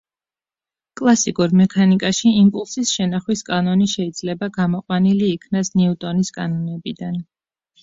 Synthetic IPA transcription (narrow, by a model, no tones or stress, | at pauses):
kʼlˠasikʼuɾmɛkʰanikʼaʃiːmpʼulˠsisʃɛnaχwiskʼanɔniʃɛid̪zlɛbaɡamɔqʼwaniliːkʰnasnɛut̪ʼɔniskʼanɔnɛbid̪an